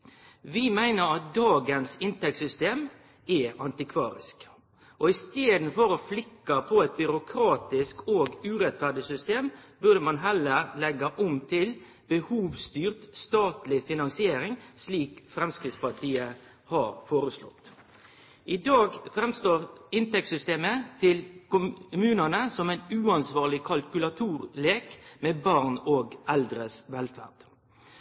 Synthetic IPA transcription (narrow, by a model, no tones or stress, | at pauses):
ʋɪmæɪnəɾɑt̪̚d̪ɑːɡənsɪnt̪ɛk̚tsʏst̪eːm | ɛʔɑnt̪ɪkʰʋɑ̰ːɾɪ̰sk | ʔɔɪst̪eːd̪n̩fɔɾɔflɪkːɑpʰɔɛt̪̚bʏɾʊkʰɾɑːt̪ɪskoːɡʉːɾɛt̪fæɖɪsʏst̪eːmbʉʁd̪əmɑnɦɛləɾlɛɡːɑʔʊmt̪ʰɪl | bəhuːʋst̪yːʁt̪st̪ɑːt̪lɪfɪnɑnsɪeːɾɪŋsliːkfɾɛmskʁɪt̪spɑt̪ʰiːə | hɑɾfoːɾəslɔ̰t̪ː | ʔɪd̪ɑːɡfɾɛmst̪oːʁɪnt̪ɛk̚t̪sʏst̪eːmət̪ʰɪlkʊmʉːnənəsɔmɛɪnʉːɑnsʋɑːʁlɪkʰɑlkʉlɑt̪ʰuːʁleːkmeːbɑʁnoːɡɛld̪ɾəsʋɛlfæ̰ːʁd̪̥